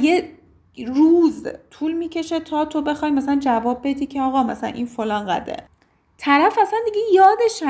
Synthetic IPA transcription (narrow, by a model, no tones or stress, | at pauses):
je | ruːzt̪ʰuːlmiːcʰe̞ʃe̞t̪ʰɒːt̪ʰo̞be̞xɒjmæsælænd͡ʒævɒːbːe̞d̪iːcʰeɒːɣɒːmæsælæ̰nʔḭːnfo̞lɒːnɢæ̰d̪ḛ | t̪ʰæɾæfæsænd̪iɡejɒːd̪eʃæ